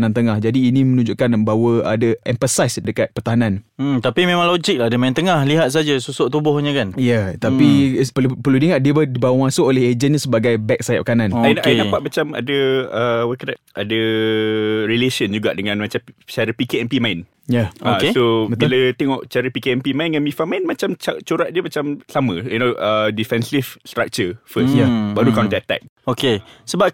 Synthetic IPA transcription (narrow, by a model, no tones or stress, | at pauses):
nãnt̪əŋahd͡ʒadiːnĩmənũɲd͡ʒuʔkanbawəa̰daʔɛ̰ɱfəsajsdəkat̪̚pərt̪aɦanãn̩t̪apimẽmãŋlod͡ʒik̚laɦadəmajint̪əŋahliɦat̪̚s̬ad͡ʒasusʊʔt̪ubʊhɲəkanjat̪apipəupərludiŋat̪̚diəbədibawəmãsʊʔolɛhed͡ʒənɲasəbaɡajbɛk̚sajt̪̚pəkananainaindapat̪̚mat͡ʃama̰dəəwakada | ʔadə | ɾileʃənd͡ʒuɡa̰ʔdəŋãnmat͡ʃamt͡ʃaɾəpikeɛmpimãin | jaaksobət̪bilət̪eŋɔʔt͡ʃaɾəpikeɛnpimãĩnŋãnmifamãinmat͡ʃamt͡ʃat͡ʃoɾaʔ̚diəmat͡ʃamsamə̃unoʔədifɛnsifst̪ɾak̚t͡ʃəfəssjabaɾutkawnt̪əat̪ɛ̰k̚okesəbap̚